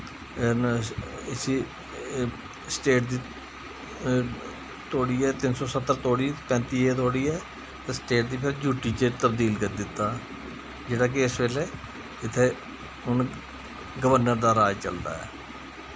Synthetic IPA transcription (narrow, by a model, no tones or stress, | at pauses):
ɪsiː | sʈeːʈ̚d̪iː | t̪oːɽiːɛːt̪ɪnsɔːsət̪ːəɾt̪oːɽiːpɛ̃ːnt̪iːeːt̪oːɽiːɛː | t̪ẽːsʈeːʈ̚d̪iːpʰɪɾd͡ʒuːʈiːt͡ʃet̪əb̚d̪iːlkəd̪ɪt̪ːaː | d͡ʒeːɽaːk̬eɪsʋeːleː | ɪt̪ʰːeː | ʊn | ɡəʋəɾnəɾd̪aːɾaːjt͡ʃəld̪a̰ːɛ̰ː